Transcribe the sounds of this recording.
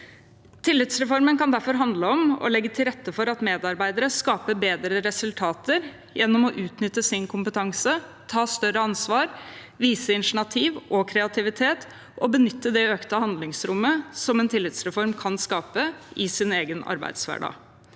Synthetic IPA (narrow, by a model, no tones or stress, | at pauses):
t̪ʰɪlːɪt̪sɾɛfɔɾmənkɑnd̪æɾfɔɾɦɑnd̪ləɔmɔ̰lɛɡːət̪ʰɪlɾɛt̪ːəfɔɾɑt̪meːd̪ɑɾbæɪd̪əɾəskɑːpəbeːd̪ɾəɾɛsʉlt̪ʰɑːt̪əɾ | jɛnːɔmɔʔʉːt̪nʏt̪ːəsɪnkʰʊmpət̪ʰɑŋsət̪ʰɑːst̪œɾəɑnsʋɑːɾ | ʋiːsəɪnʂɳɑt̪ʰiːʋʔɔkʰɾɛɑt̪ʰɪʋɪt̪ʰeːt̪ | ʔɔbənʏt̪ːəd̪ɛøːkt̪əhɑnd̪lɪŋsɾʊmːəsɔmɛnt̪ʰɪlːɪt̪sɾɛfɔɾmkʰɑnskɑːpəɪsɪneːɡənɑ̰ɾbæ̰ɪd̪sʋæ̰ɖɑ̰ːɡ